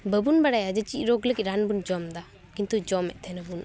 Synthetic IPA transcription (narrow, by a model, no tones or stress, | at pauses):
bəbunbaɽajad͡ʒət͡ʃic̚ˀɾoɡləkit̪̚ɾanbund͡ʒɔmd̪a | kint̪ud͡ʒɔmɛ̰ˀt̪ʰɛnabun